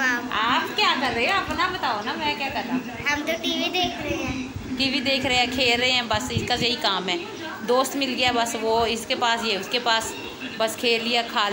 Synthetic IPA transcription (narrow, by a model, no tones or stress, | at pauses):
aːaːpkjaːkəɾəeɛəpnabət̪aːonaːmɛ̃ːkjaːkəɾnaː | ɦəmt̪ot̪iʋid̪eːkʰɾəeɛ̃ːt̪iʋid̪eːkʰɾəeɛ̃ːkʰeːlɾəeɦɛ̃ːbəsɪskasɐikaːmɦɛː | d̪oːst̪mɪlɡɪjaːbəsʋoːɪskepaːsjeːʊskepaːs | bəskʰeːlːɪjaːkʰaːl